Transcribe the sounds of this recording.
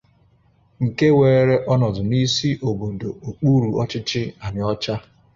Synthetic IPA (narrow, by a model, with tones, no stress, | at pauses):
ŋ̩˨ke˦weː˨e˦ɾe˦ʔɔ˦nɔ˨zʊ˨ni˦si˦ʔo˨bo˨do˨o˨k͡pu˦ɾu˨ɔ˦t͡ʃɪ˦t͡ʃɪ˦a˨ɲɪ˨ɔ˦t͡ʃa˦